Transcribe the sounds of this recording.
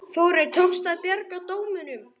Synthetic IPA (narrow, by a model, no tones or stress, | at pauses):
θowɾɛɾt̪ʰowkst̪aðpjɛrkat̪oːwmɪnʏm